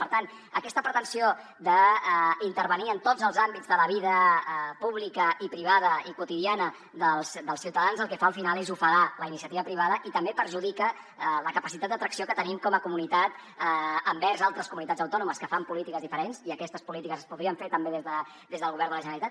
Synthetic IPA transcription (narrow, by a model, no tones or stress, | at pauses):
pəɾt̪an | əkɛst̪əpɾət̪ənsio | d̪əint̪əɾβəniənt̪od͡zəlˠzambid͡zðələβiðəpuβlikəipɾiβ̞að̞əikut̪iðianə | ðəlˠsd̪əlˠsiwt̪əðanzəlˠkɛfaːəlˠfinalˠezufəɣaləinisiət̪iβəpɾiβ̞aðəʔit̪əmbepəɾʒuð̞ikə | ləkəpəsit̪ad̪d̪ət̪ɾəksiokət̪ənimkɔməkumunit̪at̪ | əmbɛɾzalˠt̪ɾəskumunit̪add͡zəwt̪ɔnuməskəfampulit̪ikəzðifəɾenziəkɛst̪əspulit̪ikəzəspuðɾiəɱfeɾt̪əmbeðezðə | d̪ezðəlˠɣuβɛɾðələʒənəlit̪at̪